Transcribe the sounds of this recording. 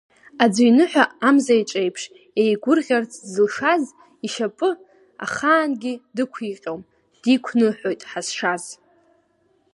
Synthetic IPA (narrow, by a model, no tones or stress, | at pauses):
ad͡zijnɨħʷᶣaamzajʈ͡ʂʼejpʰʂ | ejɡʷʊrʁʲart͡sʰzɨlʂaz | iʃapʼɨ | a̰χaːnɡʲidɨkʷʰiqʲʼowm | d̥ikʷʰnɨħo̞jtʼħasʂaz